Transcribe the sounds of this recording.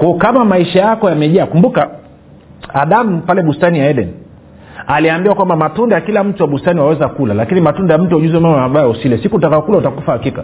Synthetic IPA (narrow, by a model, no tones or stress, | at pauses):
kwaɔkamamaiʃajakɔjamɛʄaːkumbuka | aɗam̩palɛɓustanijaɛdɛni | aliambiwakwambamatundajakilam̩tuwaɓustaniwawɛzakulalakinimatundajam̩tuɔʄuzɛmamaaɓajausilɛsikutakaɔkulautakufahakika